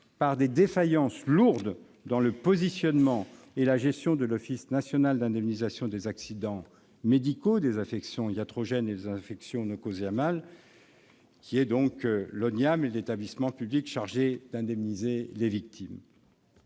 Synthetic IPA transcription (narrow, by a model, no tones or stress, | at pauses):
paʁd̪ed̪efajɑ̃sluʁd̪ | d̪ɑ̃ləpɔzisjɔnmɑ̃ | elaʒɛst̪jɔ̃d̪əlɔfisnasjɔnald̪ɛ̃d̪ɛmnizasjɔ̃d̪ezaksid̪ɑ̃ | med̪ikod̪ezɛ̃fɛksjɔ̃jat̪χɔʒɛned̪ezɛ̃fɛksjɔ̃nɔkozamal | kʲʰiɛd̪ɔ̃klɔnamelet̪ablismɑ̃pyblikʃaʁʒed̪ɛ̃d̪ɛmnizelevik̚t̪ʰim